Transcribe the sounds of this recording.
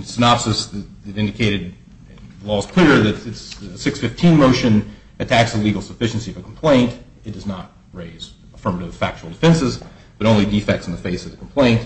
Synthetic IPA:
sɨnɑpsɨsðɨɨɾɪ̃ndɨkʰeɪɾɨd̪̚ | ðlɔz̥kʰl̥ɪɹðɨtɨtssɪksfɪftʰĩnmoʊʃɨ̃n | ʔɨtʰæksðəliɡl̩ˠsəfɪʃn̩siʌvɨkʰm̩pʰl̥ẽɪ̃nt | ɨt̚d̥ʌznət̚ | ɹeɪz | əfɜ̃˞məɾɨv̥fæk̚t͡ʃul̩ˠdəfɛ̃nsɨz | b̥ʌɾõʊ̃nlidifɛk̚tsn̩ðɨfeɪsʌvðɨkʰm̩pʰl̥ẽɪ̃nt

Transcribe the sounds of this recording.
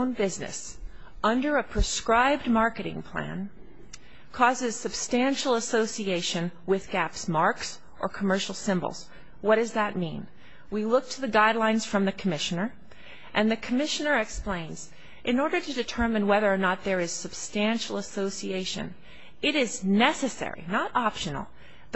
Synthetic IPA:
ʊ̃nbɪznɨ̰s | ʌ̃ndə˞əpʰɹ̥ɨskɹaɪb̚d̚mɑɹkɨɾɪ̰̃ŋpʰl̥æ̰̃n | kʰɔzɨz̥sɨb̥stæ̃nʃl̩ˠəsoʊsieɪʃɨ̃nwɪðɡæpsmɑɹks | ʔə˞kʰəmɜ˞ʃl̩ˠsɪ̃mbl̩ˠz̥ | wʌd̥ʌzðət̚mḭ̃n | wilʊk̚tʰɨðɨɡaɪdˡlãɪ̃nz̥fɹʌ̃mðɨkʰəmɪʃɨnə˞ | ʔɨ̃nðɨkʰəmɪʃɨnə˞ɨksplẽɪ̃nz̥ | ʔɨ̃nɔɹɾə˞ɾɨdɨtʰɜ˞mɨ̃nwɛðə˞ːnət̪̚ðə˞ɨz̥sɨb̥stæ̃nʃl̩ˠəsoʊsieɪʃɨ̰̃n | ɨɾɪznɛsɨsɛ̰ɹḭnəɾʔɑpʃɨ̃nl̩ˠ | ð

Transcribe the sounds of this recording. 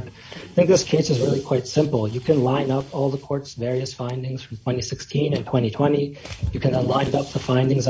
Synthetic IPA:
θɪ̃ŋk̚ðɪskʰeɪsɨzɹɪlˠikʰw̥aɪtsɪ̃mpl̩ˠjɨkʰɨ̃nlãɪ̃nʌpʰɔlˠðəkʰɔɹtsvɛɹiɨsfãɪ̃ndɪ̃ŋz̥fɹʌ̃m̩tʰw̥ɛ̃ɾ̃isɪkstʰĩnɨ̃ntʰw̥ɛ̃ɾ̃itʰw̥ɛ̃ɾ̃ijɨkʰɨ̃nðə̃nlãɪ̃nʌp̚ðəfãɪ̃ndɪ̃ŋz

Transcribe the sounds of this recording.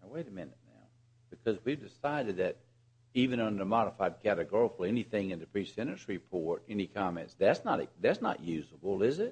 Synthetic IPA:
aweɪɾɨmɪ̃nɨt̚ⁿna̰ʊ | b̥ɨkʰʌzwivdɨsaɪɾɨd̪̚ðɨɾ | ivɨ̃nʌ̃ndə˞mɑɾəfaɪd̚kʰæɾɨɡɔɹəkl̩ˠɛniθɪ̃ŋɨ̃nðɨpʰɹ̥isɛɾɨ̃nsɹipʰɔɹɾɛnikʰɑmɛ̰̃ntsðætsnəɾɨðætsnə̰ʔjʉzəbl̩ˠɪzɪt̚

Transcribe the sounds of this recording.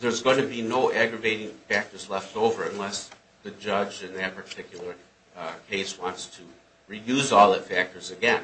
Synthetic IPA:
ðə˞zɡoʊɪ̃ŋtʰɨbinoʊʔæɡɹɨveɪɾɪ̃ŋfæk̚tə˞zlɛftoʊvə˞ɨ̃nlɛs | ðɨd͡ʒʌd͡ʒɨ̃nðɨt̚pʰə˞tʰɪkʰjl̩ˠə˞ | kʰeɪswɑ̃ntstʰɨ | ɹijʉzɔlˠðɨtfæk̚tə˞zɨɡɛ̃n

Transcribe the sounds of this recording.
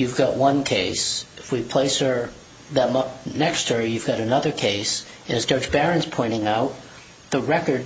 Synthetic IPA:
jʉvɡɑʔwʌ̃nkʰeɪsɨfwipʰl̥eɪshə˞ | ðə̃mʌpnɛkst̚hə˞jʉvɡɑɾɨnʌðə˞kʰeɪsɨ̃nɨz̥d͡ʒɑɹd͡ʒbɛɹɨ̃nz̥pʰɔ̃ɪ̃ɾ̃ɪ̃ŋaʊt̪̚ | ðəɹɛkə˞d̚

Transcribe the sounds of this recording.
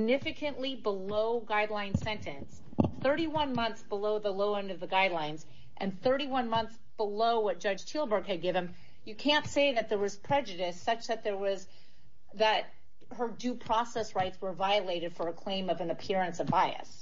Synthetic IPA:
nɪfɨkʰɨ̃nʔlibəloʊɡaɪdˡlãɪ̃nsɛ̃ntʰɨ̃ns | θɜ˞ɾiwʌ̃nmʌ̃nθsb̥əloʊðəloʊʌ̃ndʌvðəɡaɪdˡlãɪ̃nz | ʔɨ̃nθɜ˞ɾiwʌ̃nmʌ̃nθsb̥əloʊwʌt̚d̥ʒ̥ʌd̥ʒ̥tʰilˠbə˞ɡ̚ɨd̚ɡɪvɨ̃m | jɨkʰæ̃ntseɪðɨt̪̚ðə˞wʌz̥pʰɹ̥ɛd͡ʒɨɾɨsʌt͡ʃðɨt̪̚ðə˞wʌz | ðɨt̚ | hə˞dʉpʰɹ̥ɔsɛsɹaɪtswə˞vaɪɨleɪɾɨd̥fə˞ɨkʰl̥ẽɪ̃mʌvɨ̃nɨpʰɪɹɨ̃nsʌvbaɪɨ̰s

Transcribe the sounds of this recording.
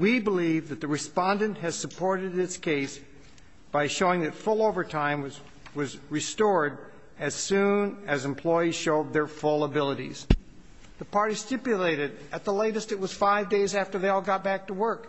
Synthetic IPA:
wibəlivðɨt̪̚ðɨɹɨspɑ̃ndɨ̃ntʔɦɨz̥sɨpʰɔɹɾɨɾɨtskʰeɪs | b̥aɪʃoʊɪ̃ŋðɨtfʊlˠoʊvə˞tʰãɪ̃m | wʌzɹɨstɔɹd̚ | ɨz̥sʉ̃nɨzɨ̃mpʰl̥ɔɪiz̥ʃoʊd̪̚ðə˞fʊlˠəbɪlˠəɾḭz̥ | ðəpʰɑɹɾi̥stɪpjɨleɪɾɨɾɨt̪̚ðəleɪɾɨstɨt̚wʌz̥faɪvdeɪzæftə˞ðeɪɔlˠɡɑt̚b̥æk̚təwɜ˞k

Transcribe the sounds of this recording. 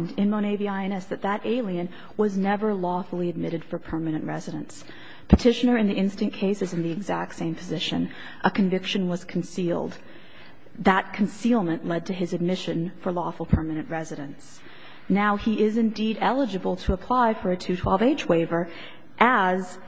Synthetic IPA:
ndɨ̃nmoʊɾ̃eɪviaɪɨ̃nɛsðɨt̪̚ðɨɾʔeɪlˠiɨ̃n | wʌznɛvə˞lɔfl̩ˠiɨd̚mɪɾɨd̥fə˞pʰɜ˞mɨnɨ̃nʔɹɛzɨɾɨ̰̃ns | pʰɨtʰɪʃɨnə˞ɨ̃nðiʔɪ̃nstɨ̃nkʰeɪsɨzɨ̃nðiɨɡzæk̚tsẽɪ̃mpʰɨzɪʃɨ̰̃n | ʔəkʰɨ̃ɱvɪkʃɨ̃nwʌz̥kʰn̩silˠd̪̚ | ðət̚kʰn̩silˠmɨ̃nʔlɛd̚tʰɨɨzɨd̚mɪʃɨ̃nfə˞lɔfl̩ˠpʰɜ˞mɨñɨ̃nʔɹɛzɨɾɨ̃ns | naʊiʔɪzɨ̃ndiɾɛlˠəd͡ʒɨbl̩ˠtʰəəpʰl̥aɪfə˞ɨtʰʉtʰw̥ɛlˠveɪt͡ʃweɪvə˞ | ʔɨz̥

